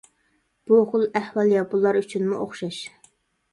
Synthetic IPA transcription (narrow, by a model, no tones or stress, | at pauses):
b̥uχʊlˠɛhwɑlˠjɑbulˠɑɾyt͡ʃʰynmuʔoχʃɑʃ